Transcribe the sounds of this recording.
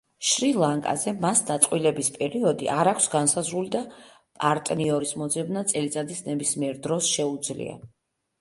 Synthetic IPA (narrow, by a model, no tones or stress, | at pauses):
ʃɾilˠaŋkʼa̰zɛmasd̪at̪sʼqʼwilɛbispʼɛɾiɔd̪ḭʔaɾakʷʰsɡansazɾulid̪a | pʼaɾt̪ʼniɔɾismɔd̪zɛbnat̪sʼɛlit̪sʼad̪isnɛbismiɛɾd̪ɾɔsʃɛud̪zlḭa̰